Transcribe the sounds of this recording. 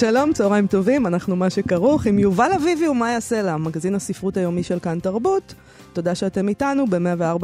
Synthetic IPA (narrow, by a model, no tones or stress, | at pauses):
ʃalo̞mt͡soʁaimto̞vimanaχnumaʃekaʁuχimjuvalaviviumajaselamaɡazinasifʁutajo̞miʃelkantaʁbutː | o̞daʃeate̞mitanube̞meaveaʁba